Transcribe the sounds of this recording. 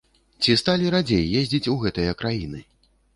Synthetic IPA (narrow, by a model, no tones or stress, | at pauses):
t͡sʲist̪alʲiɾad͡zʲejːezʲd͡zʲit͡sʲuɣɛt̪ɨjɐkɾajinɨ